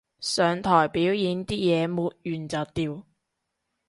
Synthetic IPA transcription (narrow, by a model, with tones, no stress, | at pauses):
sœː˨ŋt̪ʰɔː˨˩jpiː˨˥wjiː˨˧nt̪iː˥jɛː˨˧muː˨˧t̚jyː˨˩nt͡saː˨t̪iː˧w